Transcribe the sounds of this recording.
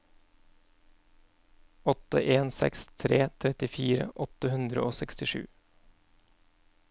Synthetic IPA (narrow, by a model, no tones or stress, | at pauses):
ɔt̪ə̰ʔeːnsɛ̰kst̪ʰɾeːt̪ʰɾɛt̪ɪfiːɾə̰ʔɔt̪əhʉnd̪ɾəoːsɛkst̪ɪʃʉ̰ː